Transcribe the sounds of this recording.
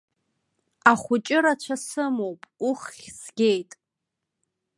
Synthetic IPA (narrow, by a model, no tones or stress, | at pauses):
aχʷʊt͡ʃʼɪɾat͡ʃʷʰasɨmo̞wpʼuχʲsɡʲejtʼ